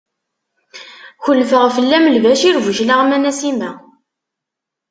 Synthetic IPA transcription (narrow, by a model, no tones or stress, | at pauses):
çəlfəʁfəlːæməlvæʃiɾvʊʒlaʁmænæsimæ